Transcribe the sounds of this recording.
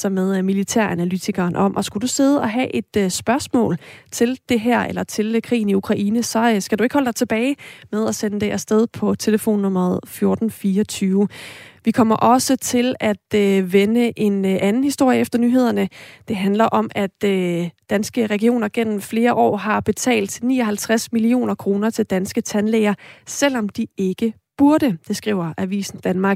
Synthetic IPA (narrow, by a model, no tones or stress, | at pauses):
sɒ̽með̞ˠmilit͡sʰæɐ̰ænælyt͡sʰiɡ̥ɐːnʔɒ̽mʔɒ̽sɡ̥ud̥use̝ð̞ˠɒ̽ɦæʔe̝d̥sb̥ɶɐsmɔ̰̽ːlt͡sʰe̝ld̥e̝ɦæɐ̰elɐt͡sʰe̝lkʰʁḭːn̩iukʰʁɑ̈ʔiːnəsɒ̽sɡ̥æd̥ue̝ɡ̥hɒldɑ̈ɪt͡sʰe̝b̥ɛːɪmeð̞ˠæsenəd̥eʔæsd̥eð̞ˠpʰɒ̽t͡sʰe̝ləfo̝̰ːnːɔmɐð̞̩ˠfjo̝ɐd̥n̩fiːɐɒt͡sʰyːʊʋikʰɒm̰ɐʔɒ̽sət͡sʰe̝læd̥øʋenəʔe̝nʔænn̩hisd̥o̝ɐ̰jəefd̥ɐnyːɦe̝ð̰ˠɐnəd̥e̝ɦænlɐʔɒ̽mʔæd̥ø̥ː | ænsɡ̥əʁɛɡ̥io̝̰ːnɐɡ̥en̰m̩fle̝ːɐʔɒ̰ːɦɑ̈b̥e̝t͡sʰɛ̰ːld̥nḭːɒ̽ɦælt͡sʰʁasmilio̝̰ːnɐkʰʁo̝ːnɐt͡sʰe̝ld̥ænsɡ̥ət͡sʰænleɪɐsel̰ɒ̽md̥ie̝ɡ̥ə | b̥uɐɾəd̥e̝sɡ̥ʁḭːʊ̰ɐʔæʋḭːsn̩d̥ænmɑ̈ːɡ̥